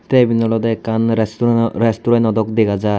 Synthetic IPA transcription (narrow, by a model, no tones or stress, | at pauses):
t̪ɛbinɔlɔd̪ɛkanɾɛstuɾɛst̪uɾanɔd̪ɔkd̪ekʰad͡za